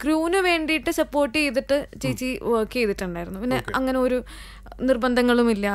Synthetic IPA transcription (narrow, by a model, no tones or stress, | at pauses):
kruːnɨʋe̞ːɳɖijiʈːɨsɐpːo̞ːrʈːiejt̪̬ːiʈːɨt͡ɕejit͡ɕːiʋoːkːiejt̪ːiʈːuɳɖaːjiɾunːupinːe̞ʔɐŋːɐne̞o̞ɾu | nirbɐnd̪ʱɐŋːɐɭumilːɐ